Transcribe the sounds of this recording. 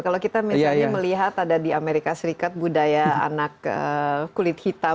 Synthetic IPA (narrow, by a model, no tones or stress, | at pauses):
kalowkit̪amisjaɲaməliɦat̪adadiameɾikasəɾikat̪̚budajaa̰nakə̰ulɪt̪̚hit̪a